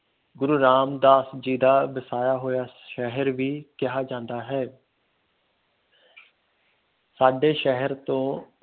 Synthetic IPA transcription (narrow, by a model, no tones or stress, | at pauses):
ɡʊɾuːɾaːmd̪aːsəd͡ʒiːd̪aːbəsaːjaːɦoːjaːʃɛɦəɾʋiːkɪɦaːd͡ʒãːnd̪aːɦɛː | saːɖeːʃɛɦəɾt̪õː